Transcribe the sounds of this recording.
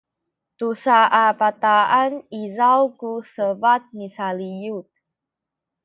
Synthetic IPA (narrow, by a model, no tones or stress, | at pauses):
t̪usaʔapat̪aanizawkusəvat̪̚misalijut̪̚